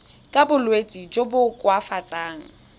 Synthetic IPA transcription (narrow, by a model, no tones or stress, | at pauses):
kʼabʊlwet͡sʼid͡ʒobʊkʼwafat͡sʼaːŋ̩